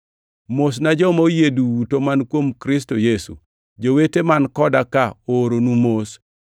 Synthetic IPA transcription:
mosnad͡ʒɔmaojeduwutomankwomkɾɪs̬tojesṵ | d͡ʒowetemankɔdakaoɾonumos

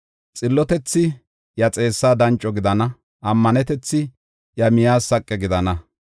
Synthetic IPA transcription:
t͡sʼɪlːɔt̪ɛt͡sːɪ | jɐt͡sʼe̞ːsːaːd̪ɐnt͡ʃʼːɔɡɪd̪ɐnɐ | ʔɐmːɐnɛt̪ɛt͡sːɪ | jɐmɪjaːsɐkʼːɛɡɪd̪ɐnɐ

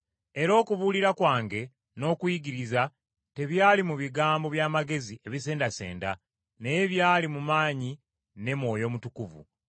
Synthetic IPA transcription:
e̞ɾo̞ːkuβuːliɾakwaːŋɡe̞ | no̞ːkwiɡiɾiza | te̞βjaːlimuβiɡaːmbo̞βjaːmaɡe̞zie̞βise̞ːndase̞̰ːnda | nejeβjaːlimumaːɲi | ne̞mwo̞ːjo̞ːmutukuvṵ

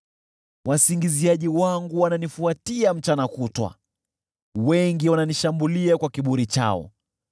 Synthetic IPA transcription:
wʔasiŋɡiziaʄiwaŋɡuwananifuatiam̩t͡ʃanakutwa̰ | wɛŋɡiwananiʃambuliakwakiɓuɾit͡ʃa̰ɔ̰

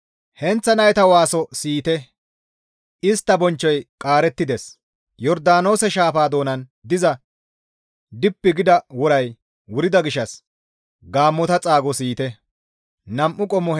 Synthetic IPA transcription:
hɛnt͡sːɐnɐjt̪ɐwaːsɔsiːt̪ɛ | ɪst̪ːɐbɔnt͡ʃːɔjkʼaːɾɛt̪ːɪd̪es | jɔɾd̪aːno̞ːsɛʃaːfaːd̪o̞ːnɐnd̪ɪzɐ | d̪ɪpːɪɡɪd̪ɐwɔɾɐj | wʊɾɪd̪ɐɡɪʃːɐs | ɡaːmːɔt̪ɐt͡sʼaːɡɔsiːt̪ɛ | nɐmʔʊkʼɔmːɔ

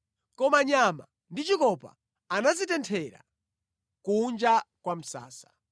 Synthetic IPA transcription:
kɔmaɲama̰ | ndit͡ʃikɔpa̰ | anazitɛntʰɛɾa̰ | kund͡ʒakwam̩sa̰ːsḁ

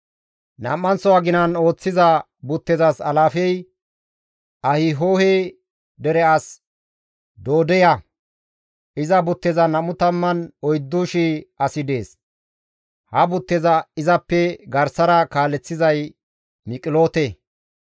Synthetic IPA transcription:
nɐ̰mːɐnsɔwaɡɪnɐno̞ːt͡sːɪzɐ | bʊt̪ːɛzɐsɐlaːfɛj | ɐhɪɦoːhɛ | d̪ɛɾɛɐs | d̪o̞ːd̪ɛjɐ | ɪzɐbʊt̪ːɛzɐnɐmʊt̪ɐmːɐnɔjd̪ːuʃɪɐsɪd̪e̞ːs | hɐbʊt̪ːɛzɐɪzɐpːɛɡɐɾsɐɾɐkaːlːɛt͡sːɪzɐj | mɪkʼɪlo̞ːt̪ɛ

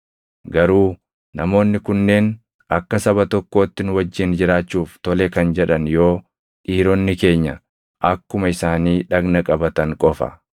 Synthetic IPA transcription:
ɡɐɾuː | nɐmo̞ːnːɪkʊnːe̞ːn | ɐkːɐsɐbɐt̪ɔkːoːt̪ːɪnwɐd͡ʒːɪnd͡ʒɪɾaːt͡ʃːuːft̪ɔlɛkɐnd͡ʒɛᶑɐnjo̞ː | ᶑiːɾɔnːɪke̞ːɲːɐ | ʔɐkːʊmɐɪsaːniːᶑɐɡnɐkʼɐbɐt̪ɐŋkʼɔfɐ̰

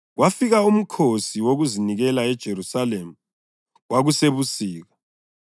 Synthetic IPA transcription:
ɣwʔafiɣaum̩kʰosiwoɣuziniɣɛlaɛd̥ʒ̥ʱeɾusalemu | wʔaɣuseβusiːɣa

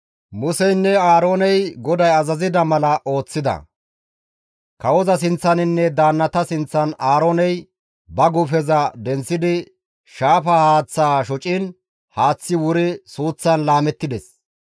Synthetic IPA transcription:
mʊsɛjnːɛaːɾoːnɛjɡɔd̪ɐjɐzɐzɪd̪ɐmɐlɐʔo̞ːt͡sːɪd̪ɐ̰ | kɐwɔzɐs̬ɪnt͡sːɐnɪnːɛd̪aːnːɐt̪ɐsɪnt͡sːɐnaːɾoːnɛj | bɐɡʊfɛzɐd̪ɛnt͡sːɪd̪ɪ | ʃaːfɐhaːt͡sːaːʃɔt͡ʃʼɪn | haːt͡sːɪwʊɾɪsuːt͡sːɐnlaːmɛt̪ːɪd̪ɛs

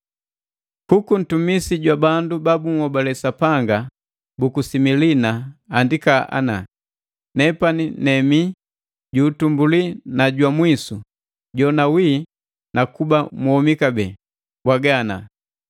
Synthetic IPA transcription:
kukun̩tumisiɟwabandubabuŋ̩hɔbalɛsapaŋɡa | bukusimilinaːndikaʔa̰na̰ | nɛpaninɛmi | ɟuːtumbulinaɟwamwisu | ɟɔnawiː | nakubamuhɔmikabɛ | bwaɡana̰

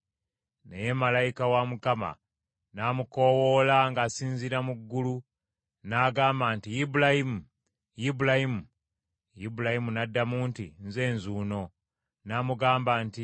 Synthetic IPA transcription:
nḛjemalajikawamukama̰ | namukowolaŋɡasiːnziɾamuɡːulu | naːɡaːmbaːntijibulahimu | jibulahimu | jibulahimunadːamuːntḭnze̞ːnzuːno̞ | naːmuɡaːmbaːnti

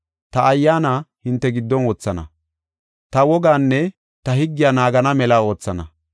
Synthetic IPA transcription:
t̪ɐʔːjːaːnahɪnt̪ːɛɡɪd̪ːɔnwɔːt͡sːɐnɐ̰ | t̪ɐwɔɡaːnːɛ | t̪ɐhɪɡːɪjaːnaːɡɐnɐmɛlɐo̞ːt͡sːɐnɐ̰

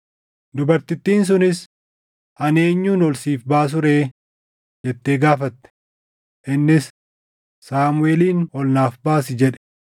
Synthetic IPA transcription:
d̪ʊbɐɾt̪ɪt̪ːiːns̬ʊnɪs | ʔɐneːɲːuːnɔlsiːfbaːs̬ʊɾeː | d͡ʒɛt̪ːeːɡaːfɐt̪ːɛ̥ | ʔɪnːɪsː | aːmʊe̞ːliːnwɔlnaːfbaːsɪd͡ʒɛᶑɛ̥

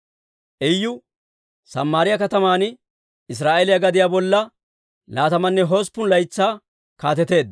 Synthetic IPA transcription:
ʔɛjːʊ | sɐ̰mːaːɾɪjɐkɐt̪ɐmaːn | ɪs̬ɾaːʔelɪjɐɡɐd̪ɪjaːbɔlːɐ | laːt̪ɐmɐnːɛɦo̞ːspːʊnlɐjt͡sːaː | kaːt̪ɛt̪e̞ːd̪̚

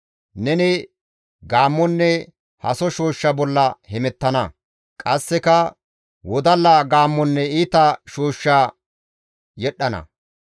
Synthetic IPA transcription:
nɛnɪ | ɡaːmːɔnːɛ | hɐsɔʃoːʃːɐbɔlːɐhɛmɛt̪ːɐnɐ | kʼɐsːɛkɐ | wɔd̪ɐlːaːɡaːmːɔnːɛiːt̪ɐʃoːʃːaː | jɛɗːɐnɐ̰

